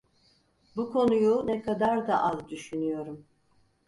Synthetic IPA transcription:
bukʰo̞nujunɛkʰad̪aɾd̪aʔazd̪yʃynyjo̞ɾum

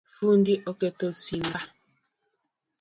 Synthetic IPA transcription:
fundiʔɔketosimba

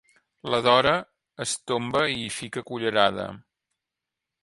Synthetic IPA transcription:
ləðɔɾəː | st̪ombəifikəkuʎəɾaðə̰

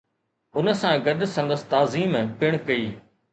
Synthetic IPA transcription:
ʊnə̆sãɡɐd̪sɐ̃nd̪əst̪aːziːmːpɪɽ̃kɐiː

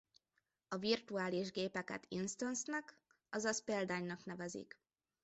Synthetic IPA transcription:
ɒvirt̪uaːliʒɡeːpɛkɛ̰t̪ʰinst̪onsnɛk | ɒzɒspeːld̪aːɲnɒknɛvɛzḭk

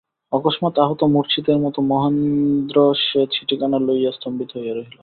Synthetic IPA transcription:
ɔkoʃmat̪aɦot̪omuɾt͡ɕʰid̪eɾmɔt̪omɔɦand̪ɾoʃet͡ɕʰiʈikanalojast̪ombit̪ɦojaɾoɦilo

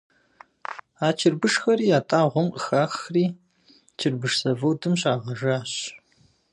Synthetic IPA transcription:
aːt͡ʃʰɪrbɨʂxɐɾiːjaːtʼaːʁʷɔmqəxaːxriː | t͡ʃʰɪrbɨʂsɐvɐwdɨmɕaːʁɐʒaːɕ

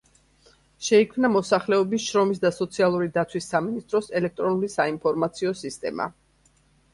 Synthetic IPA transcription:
ʃɛikʰmnamɔsaχlɛɔbisʃɾɔmis̬d̪asɔt̪sʰialˠuɾid̪at̪sʰwisːaminist̪ʼɾɔsɛlɛk̚ʰt̪ʼɾɔnulisainpʰɔɾmat̪sʰiɔsist̪ʼɛ̰ma̰

